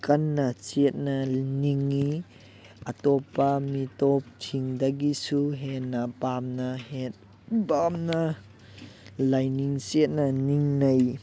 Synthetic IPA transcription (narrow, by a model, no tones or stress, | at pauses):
kɐnːɐt͡ʃet̚nɐniŋːi | ɐtɔpːɐmitɔp̚tʰiŋdɐɡisuɦenːɐpamnɐhet̚ | bamna | lajniŋt͡ʃet̚nɐniŋnɐj